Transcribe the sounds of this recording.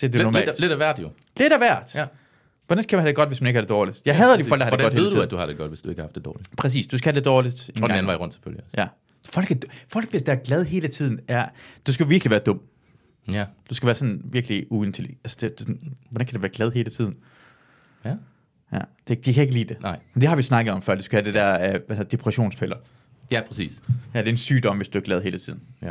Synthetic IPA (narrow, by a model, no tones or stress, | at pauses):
d̥ed̥enɒm̰̥ːedæʋæɐ̰d̥jo | le̝ɾ̥æʋæɐ̰d̥ | ʋɒd̥ænkʰæmænɦæd̥eɡɒ̽d̥ʋe̝smæneɡəæɐd̥e̝dɒːlid̥jɑ̈ɪɦɛðˠɐd̥iɒl̰ɡd̥ɑhɡɒd̥heð̩ˠduæ̥d̥uhɑ̈ɾ̥eɡ̥ɒ̽d̥ʋe̝sd̥ue̝ɡ̥hɑ̈fd̥ed̥ɒ̰ːli̥pʰʁɛs̬ḭːsd̥usɡ̥æhæd̥e̝d̥ɒːlid̥endeɡnæn̩ɑ̈iʁɔn̰d̥se̥føljəsjæ | fɒ̽l̰ɡ̥æ̥fɒ̽l̰ɡ̥ʋe̝sd̥eɐɡ̥lɛð̞ˠɦe̝ːlət͡sʰið̞̰ˠn̩æɐd̥usɡ̥æʋiɐɡ̥liʋæːɐd̥ɔ̽m̰ | d̥usɡ̥æʋæːɐsɒ̽nʋiɐɡ̥liuent͡sʰeli̥ælsə̥d̥e̥snʋɒdænkʰædeʋæːɐɡ̥lɛð̞ˠɦe̝ːlət͡sʰið̰ˠn̩ | jæd̥e̝d̥ikʰæe̝ɡ̥əliːd̥e̝mend̥e̝hɑ̈ʋisnɑ̈ɡ̥əð̞̩ˠɒ̽mfɶɐ̰dusɡ̥æhæd̥ed̥æɐæʋæeð̰ɐd̥e̝pʰʁɛɕo̝̰ːnspʰelɐ | jæpʰʁɛsḭːsjæd̥e̝ensyːd̥ɒ̽mʋe̝sd̥uæɐɡ̥lɛð̞ˠɦe̝ːlət͡sʰið̞̰ˠn̩